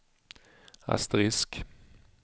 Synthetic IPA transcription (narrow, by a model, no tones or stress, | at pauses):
a̰st̪ɾɪsk